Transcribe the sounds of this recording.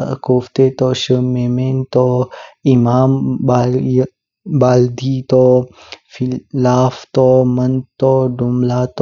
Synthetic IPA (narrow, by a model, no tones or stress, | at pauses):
koːft̪eːt̪ɔːʃəmeːmeːnt̪ɔimaːmb | baːld̪iːt̪ɔ | filaːft̪ɔmɐnd̪t̪ɔːɖumlaːt̪